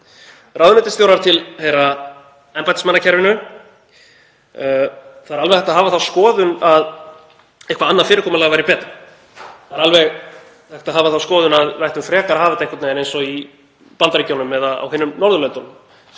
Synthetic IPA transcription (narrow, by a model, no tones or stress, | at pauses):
rawðʏnɛt̪ɪst̪jowɾaɾt̪ʰɪlhejɾa | ɛmpajt̪ɪsmanːacʰɛɾvɪnʏ | θaðɾalvɛɣθɛht̪aɦaːvaðθaðskɔːðʏnað | ɛhkvaanːafɪːɾɪkʰɔːmʏlaɣvajɾɪpɛːt̪a | θaðɛɾalvɛɣ | θɛht̪aðɦaːvaðθaðskɔːðʏnaðvajht̪ʏmfɾɛːkaɾhaːvɪt̪aɛhkvat̪naɛnejnsɔi | pant̪aɾicjownʏmːɛðaa̰wɦɪnːʏmnɔɾðʏlœnt̪ʏn